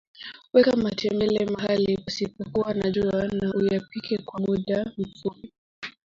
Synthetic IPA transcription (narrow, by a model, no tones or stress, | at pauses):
wɛkamatʰɛmbɛlɛmahaliwasipɔkuwanaʄuanaʔujapikɛkwamuɗam̩fupi